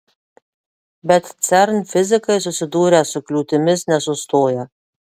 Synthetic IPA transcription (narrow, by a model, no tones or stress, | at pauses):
bʲɛt̪t̪sʲɛɾnfʲɪzʲɪkɐɪsʊsʲɪd̪uːɾʲɛsʊklʲuːt̪ʲɪmʲɪsnʲɛsʊst̪oːjɛ